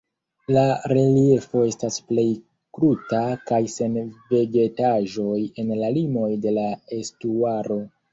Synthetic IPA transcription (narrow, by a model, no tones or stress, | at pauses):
laɾelie̞fo̞e̞stasple̞j | kɾutakajse̞nve̞ɡe̞taʒo̞je̞nlalimo̞jde̞lae̞stuaɾo̞